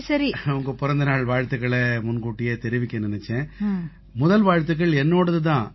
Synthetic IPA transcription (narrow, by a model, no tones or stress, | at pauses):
sɐɾiʊŋɡɐpʊɾɐnd̪ɐnaːɭʋaːɻt̪ɯɣɐɭɛmʊnkuːʈːɪjeːt̪ɛɾɪʋɪkːɐnɪnɛt͡ʃːɛ̃ː | mʊðɐlʋaːɻt̪ɯɣɐɭɛnːoːɽɐðɯt̪̬ãː